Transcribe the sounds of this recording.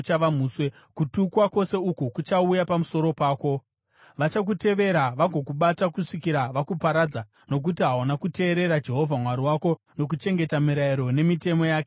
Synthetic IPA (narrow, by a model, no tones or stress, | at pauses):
t͡ʃaʋamuːswe | kutukwako̞se̞ukukut͡ʃaujapamuso̞ɾo̞paːko̞ | ʋat͡ʃak̬ute̞ʋe̞ɾaʋaɡʱo̞kuɓatakuʂikiɾaʋakupaɾad͡za | no̞k̬utiɦawanakute̞ːɾe̞ɾad͡ʒe̞ɦo̞vʱamwaɾiwako̞ | no̞k̬ut͡ʃe̞ŋɡe̞tamiɾaiɾo̞ne̞mite̞mo̞jaːke